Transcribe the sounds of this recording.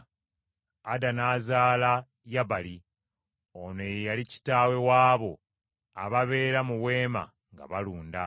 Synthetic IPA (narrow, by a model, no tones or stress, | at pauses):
adanaːzaːla | jaβali | onejejalici̥taːwe̞waːβo̞ | a̰βaβe̞ːɾamuwe̞ːma̰ | ŋɡa̰βaluːnda